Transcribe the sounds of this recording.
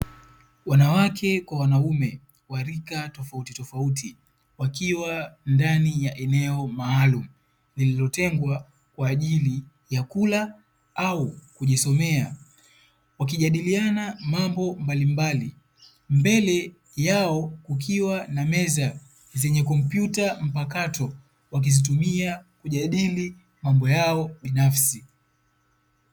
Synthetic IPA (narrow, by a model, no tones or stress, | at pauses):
wanawakʰɛkwawanaumɛ | waɾikatɔfautitɔfauti | wakiwandanijaʔɛnɛɔmaːlumu | lililɔtɛŋɡwa | kwaːʄili | jakula | aukuʄisɔmɛa | wak̬iʄaɗilianamambɔmbalimbali | mbɛlɛ | jaɔkukʰiwanamɛza | zɛɲɛkɔm̩pjutam̩pakatɔ | wak̬izitumiakuʄaɗili | mambɔjaɔɓinafsi